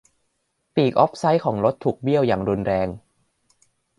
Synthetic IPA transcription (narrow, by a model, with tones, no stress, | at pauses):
piː˨˩k̚ʔɔ˦˥p̚sa˦˥jkʰɔː˩˦ŋɾo˦˥t̪ʰːuː˨˩k̚bi˥˩əwjaː˨˩ŋɾu˧nɾɛː˧ŋ